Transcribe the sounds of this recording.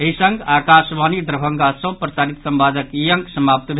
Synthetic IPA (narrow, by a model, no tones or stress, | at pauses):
ɦisəŋɡakasʋanid̪ɾəbʱəŋɡasə̃pɾəsaːɾit̪səmbad̪əkijəŋksəmap̚t̪bʱ